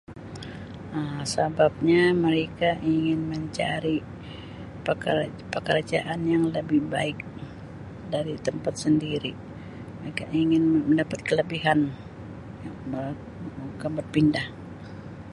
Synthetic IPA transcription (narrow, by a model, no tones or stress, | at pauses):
əsabap̚ɲaməɾekaʔiŋɪnməɲt͡ʃa̰ɾi | pə | pəkəɾad͡ʒa̰ʔanjaŋləbɪhbaɪk̚ | daɾit̪əmpat̪̚səndiɾi | ekaiŋɪnməndapat̪̚kələbiɦan | ə | ukabər̚pindah